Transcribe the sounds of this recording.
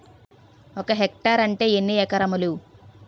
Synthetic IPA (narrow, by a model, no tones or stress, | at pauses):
ɔkɐɦek̚ʈaːɾɐɳʈe̞ːenːiɛkɐɾɐmulu